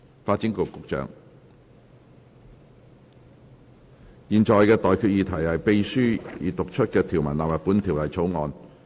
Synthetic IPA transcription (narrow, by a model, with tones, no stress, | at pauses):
faː˧t̚t͡si˨˥ŋko˨˩wkʊ˨˧k̚t͡ʃœ̰ː˨˥ŋ | jiː˨nt͡ʃɔː˨jkɛː˧t̪ɔː˨˩jkʰy˧t̚jiː˨˧t̪ʰɐ˨˩jhɐ˨jpe˧jsyː˥jiː˨˧t̪ʊ˨k̚t͡ʃʰɵ˥t̚kɛː˧t̪ʰiː˨˩wmɐ˨˩nlaː˨pɐ˨˩pːu˨˥nt̪ʰiː˨˩wlɐ˨˩jt͡sʰo˨˥wŋɔː˧n